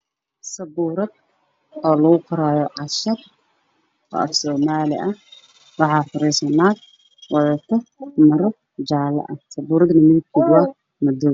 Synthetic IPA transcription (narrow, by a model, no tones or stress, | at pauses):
sɐbuːɾɐd̪̚ | ɔːlɐɣʊqʊɾaːjɔʕɑʃɐd | ɔ̰ːʔɐ̰fsɔːmaːlɪ̰ʔɐ | wɑħɑːfʊɾɛsɐnaːd̪ | wɑʕʊt̪ʰɐmɐɾɔ | d͡ʒaːlɐ̰ʔɐsɐbuːɾɐd̪nɐmɪnkʰiɡʊɐ | mɐd̪ɔ